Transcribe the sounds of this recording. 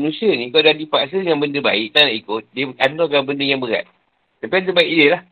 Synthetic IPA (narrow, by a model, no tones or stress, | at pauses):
nũsianĩkawdadipaʔs̬əjaŋbəndəba̰ɪk̚t̪anlaʔikʊt̪̚diəant̪ɔkabəndəjaŋbəɾa̰t̪̚ | t̪apiant̪əbaɪʔdəlah